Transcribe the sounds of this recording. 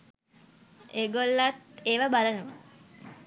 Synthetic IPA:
eːɡolːat̪eːʋabalənəʋa

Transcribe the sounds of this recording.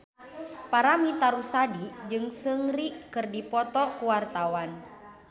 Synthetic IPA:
paɾamit̪aɾusadid͡ʒɨŋsəŋɾikɨrdipɔt̪ɔkuwart̪awan

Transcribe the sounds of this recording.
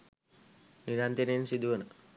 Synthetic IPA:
niɾant̪ininsid̪uəna

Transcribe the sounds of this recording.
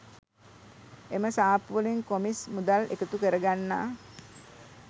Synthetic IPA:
eməsaːpuʋəliŋkomismud̪alḛkət̪ukəɾəɡanːa̰ː

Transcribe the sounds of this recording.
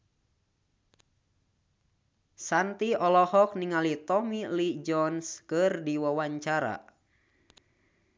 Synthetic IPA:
sant̪iɔlɔhɔk̚niŋalit̪ɔmilid͡ʒɔnskɨrdiwawaɲt͡ʃaɾa̰

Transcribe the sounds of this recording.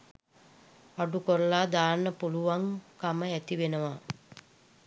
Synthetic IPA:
aɖukoɾəlaːd̪aːnːəpuluʋaŋkaməæt̪iʋenəʋa

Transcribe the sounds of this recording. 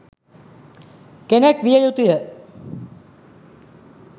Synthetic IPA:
kenɛkʋijəjut̪ijə

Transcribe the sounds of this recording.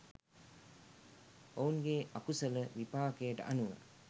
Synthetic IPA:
ounɡeakusələʋipaːkəjəʈə̰ʔanuna̰

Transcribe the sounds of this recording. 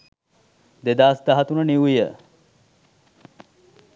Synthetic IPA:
d̪ed̪aːsd̪aɦat̪unəniwijə

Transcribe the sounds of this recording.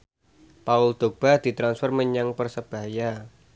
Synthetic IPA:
paʊld̪̥o̤b̥ahd̪̥i̤t̪ɾansfərməɲaŋpərsəb̥a̤ja

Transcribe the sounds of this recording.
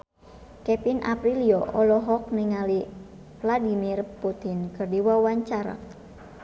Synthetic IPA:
kɛpinʔa̰pɾiliɔʔɔlɔɦɔk̚niŋali | vladimirput̪inkɨrdiwawaɲt͡ʃaɾa̰

